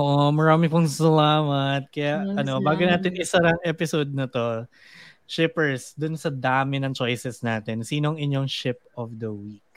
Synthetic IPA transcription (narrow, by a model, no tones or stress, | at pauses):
ʔoːʔomɐɹaːmɪpʊŋsɐlaːmɐt̪̚kɐjaʔɐno̞baːɡonaːt̪ɪnʔɪsɐɾɐŋʔɛpɪsoːd̪nɐt̪o̞ | ʃɪpɛɹsd̪ʊnsɐd̪aːmɪnɐŋt͡ʃo̞jsɛsnaːt̪ɛnsiːnoɐŋʔɪɲjo̞ŋʃɪp̚ɔfd̪ɐwik̚